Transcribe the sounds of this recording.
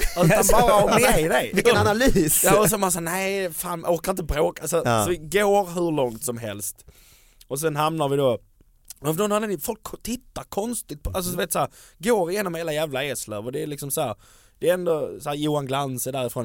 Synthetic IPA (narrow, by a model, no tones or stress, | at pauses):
asaanbɑːɾaɔɛjd̪ɛɪɪkːnanalyːsjɑːɔs̬ɔmans̬aːnɛɪfaːnʔoːɾkəɾɪnt̪əbɾoːkalsɔsɔvɪɡoːɾɦɵɭɔŋt̪sɔmɦɛ̰lst̪ | ɔs̬ɛnɦamnaɾvɪd̪o | ɛfnɔnhad̪ɛnɪfɔlkʰt̪ʰɪt̪ːaɾkʰɔnst̪ɪt̪̚pʰɔalsɔd̪ɪveːt̪shæːɾɡoːɾɪjeːnɔmheːlajæːvlaɛslə̰vɔd̪ɛːlɪksɔmshæːɾ | d̪̥ɛːɛnd̪ɔsæːɾjuːanɡlansəd̪æːɾɪfɾoːn